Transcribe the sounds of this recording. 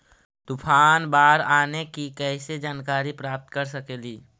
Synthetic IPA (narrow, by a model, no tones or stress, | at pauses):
t̪ʊpʰaːnbaːɾaːnekikɛːsed͡ʒaːnkaːɾipɾaːp̚t̪kəɾsəkeːliː